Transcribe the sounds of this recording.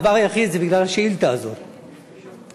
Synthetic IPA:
vaʁajaχid̪zebiɡlalhaʃeilt̪aːzo̰ʁ

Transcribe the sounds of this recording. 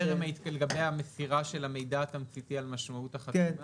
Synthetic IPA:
eʁemait̪kalɡabejamesiʁaʃe̞lame̞jdaːt̪amt͡sit̪ialmaʃmautaχata

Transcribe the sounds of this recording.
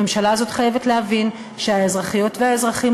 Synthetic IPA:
emʃalaːzo̞tχajevetlehavin | ʃehaezʁaχijo̞tvehaezʁaχim

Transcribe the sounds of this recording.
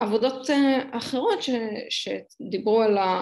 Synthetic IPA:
avod̪o̞t̪eaχeʁo̞tʃeʃed̪ibʁuala

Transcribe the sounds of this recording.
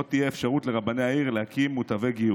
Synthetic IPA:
ot̪ijeefʃaʁutle̞ʁabaneaiʁlehakʰimːut̪ave̞ɡiu

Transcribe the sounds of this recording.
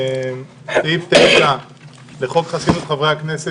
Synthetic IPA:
m | eift̪eʃa | leχo̞kχasidut̪χavʁehaknese

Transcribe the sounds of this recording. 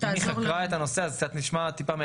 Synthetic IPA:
niχakʁaet̪ano̞seazek̚t͡sat̪niʃmat̪ipame

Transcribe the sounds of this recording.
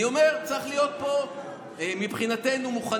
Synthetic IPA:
io̞me̞ʁt͡sʁiχlijo̞t̪̚po̞ | mipχinat̪e̞numuχa

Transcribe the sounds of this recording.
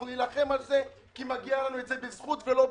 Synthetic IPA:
nunilaχe̞malze̞ | kimaɡialanuetze̞bezχut̪velo̞

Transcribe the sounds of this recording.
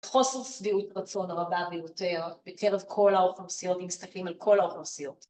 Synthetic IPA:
χo̞seʁsviutʁat͡so̞nʁabavejote̞ʁb̥ekʰeʁevkʰo̞laofemsijo̞tvimist̪ɐklimalkʰo̞laoχensijo̞t

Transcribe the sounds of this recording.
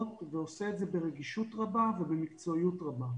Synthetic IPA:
tveoseːtzebeʁeɡiʃut̪ʁabavebemikt͡so̞ijutʁaba

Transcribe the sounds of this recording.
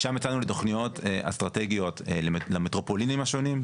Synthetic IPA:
ʃamet͡sanuleto̞χnijo̞teʔa̰st̪ʁateɡijo̞tllametʁo̞polinimaʃo̞nim

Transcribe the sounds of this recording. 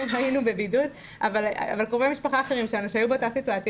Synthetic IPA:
mɦainube̞bidud | a̰vala̰valkʁovemiʃpaχaːχeʁimʃeanuʃeajubat̪asit̪uat͡s

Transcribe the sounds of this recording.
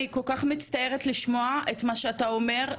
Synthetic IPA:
iko̞lkaχmit͡st̪aje̞ʁetliʃmoaʔetmaʃeataome̞ʁ

